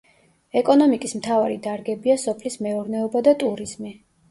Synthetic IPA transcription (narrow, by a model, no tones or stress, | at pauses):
ɛkʼɔnɔmikʼismt̪ʰavaɾid̪aɾɡɛbiasɔpʰlismɛuɾnɛɔbad̪at̪ʼuɾiz̥mi